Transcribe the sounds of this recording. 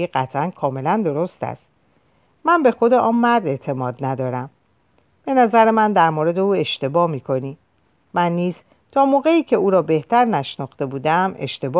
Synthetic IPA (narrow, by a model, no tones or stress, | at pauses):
iɢæt̪ʰʔænkʰɒːme̞lænd̪o̞ɾo̞st̪æ̰st̪ | mænbe̞xo̞d̪eʔɒːnmæɾd̪e̞ʔt̪ʰe̞mɒːd̪næd̪ɒːɾæm | b̥e̞næzæɾemænd̪æɾmoɾe̞d̪e̞uːe̞ʃt̪e̞bɒːmiːkʰo̞niː | mænːiːz | t̪ʰɒːmoːɣe̞iːcʰe̞uːɾɒːbe̞ht̪ʰæɾnæʃnɒxt̪e̞buːd̪æme̞̰ʃt̪e̞b